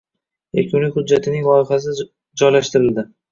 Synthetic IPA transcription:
ḛkʰʲʊnlɪhʊdd͡ʒːat̪ʰɪnɪŋlˠɒɪχas̬ɪ | d͡ʒɒjlaʃt̪ɪɾɪld̪ɪ

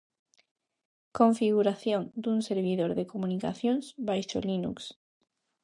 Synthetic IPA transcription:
ko̞ɱfiɣ̞uɾaθjõnd̪unseɾβ̞iðoɾðekomunika̰θjõnsbajʃo̰linṵks

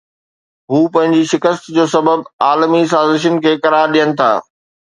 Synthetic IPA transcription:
ɦuːpɐ̃ɦɪ̃ɲd͡ʑiʃɪkəst̪d͡ʑoːsɐbəbaːlmis̬aːzɪʃ̬ənɪ̆kʰeːkɐɾaːɾɗijənɪ̆t̪ʰa̰ː

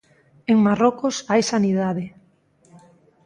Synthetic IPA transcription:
eŋmarokosajsaniðað̞e

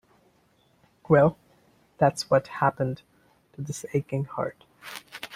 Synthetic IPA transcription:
wɛlˠ | ðætswʌt̚hæpɨ̃n | tʰɨðɪseɪkɪ̃ŋhɑ̰ɹt̚

